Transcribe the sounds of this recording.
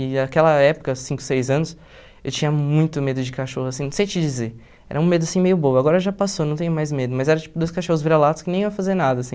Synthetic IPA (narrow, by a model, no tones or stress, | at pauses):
ɪakɛlɐɛpʊ̥kɐsĩŋkʊ̥sejzɐ̃nʊs | ewt͡ʃĩɲɐmũj̃t̪ʊmed̪ʊd͡ʒɪkaʃohʊasĩnɐ̃sejt͡ʃɪd͡ʒizeɾ | ɛ̰ɾɐũmed̪ʊasĩmejʊbowɐaɡɔɾɐʒapasonɐ̃w̃t̪ẽɲʊmajzmed̪ʊmɐjzɛɾɐt͡ʃi̥pʊd̪ojskaʃohʊzviɾelad̪ʊskɪnẽj̃ĩɐfazeɾnad̪ɐsĩ